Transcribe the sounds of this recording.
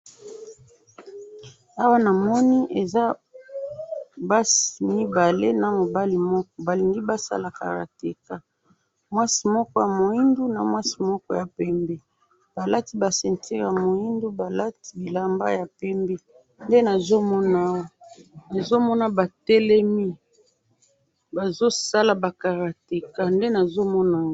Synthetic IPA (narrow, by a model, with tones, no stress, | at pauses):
a˦wa˦na˨mɔ˦ni˦ʔe˨za˦ | ba˦si˨mi˦ba˨le˦na˨mo˨ba˦li˨mɔ˦kɔ˦ba˨li˨ŋɡi˦ba˦sa̰˦la˨ka̰˨ɾa̰˨te˨ka˦ | mwa˦si˨mɔ˦kɔ˦ja˨mo˨i˦ndu˦na˨mwa˦si˨mɔ˦kɔ˦ja˨pɛ˦mbɛ˦ | b̥a˨la˦ti˦ba˨sɛ˨nti˦ʁja˨mo˨ji˦ndu˦ba˨la˦ti˦bi˨la˨mba̰˦ja˨pɛ˦mbɛ˦ | nde˦na˨zo˦mɔ˦na˦wo˦na˨zo˦mɔ˦na˨ba˨tɛ˦lɛ˦mi˦ | ba˨zo˦sa˦la˨ba˨ka˨ʁa˨te˨ka˦˨nde˦na˨zo˦mɔ˦na˨˦